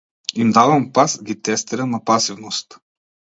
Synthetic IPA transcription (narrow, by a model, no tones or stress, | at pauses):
imd̪avɐmpasɡʲit̪ɛst̪ɛɾənɐpasivnost̪